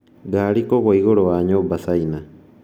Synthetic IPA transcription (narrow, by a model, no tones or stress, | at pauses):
ɡaɾikoɡoiɣoɾoaɲobasaina